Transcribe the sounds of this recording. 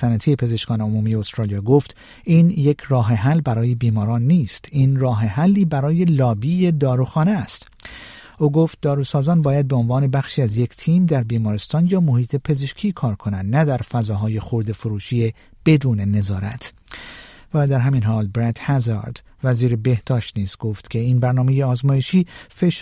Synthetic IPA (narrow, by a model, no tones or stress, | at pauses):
sænæt̪ʰiːje̞pʰe̞ze̞ʃkɒːneomuːmijeost̪ɾɑːlijɒːɡoft̪ | ʔiːnje̞cʰrɒːɦe̞ɦælːbæɾɒːje̞biːmɒːɾɒːnːiːst̪iːnrɒːɦeɦælːiːbæɾɒːje̞lɒːbiːje̞d̪ɒːɾuxɒːneæst̪ | ʔoːɡo̞ft̪̚d̪ɒːɾusɒːzɒːnbɒːjæd̪̚be̞o̞nvɒːne̞bæχʃiːæzje̞cʰt̪ʰiːmd̪æɾbiːmɒːɾest̪ɒːnjɒːmohiːt̪ʰe̞pʰe̞ze̞ʃkʰiːkʰɒːɾkʰo̞nænd̪næd̪æɾfæzɒːɦɒːje̞xoɾd̪efoɾuːʃiːe | b̥e̞d̪uːne̞ne̞zɒːɾæ̰t̪ʰ | væːd̪æɾɦæmiːnɦɒːlbɾæt̪hæzɑ̰ɾd̪ | væziːɾebe̞hd̪ɒːʃt̪niːst̪ɡ̥oft̪cʰe̞iːnbæɾnɒːme̞jeɒːzmɒːje̞ʃiːfe̞ʃ